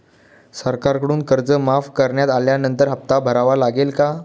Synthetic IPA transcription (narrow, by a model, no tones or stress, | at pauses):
səɾkaɾkəɽuːnkəɾd͡zəmafkəɾɳjat̪aljanənt̪əɾɦəp̚t̪abʱəɾaʋalaɡelka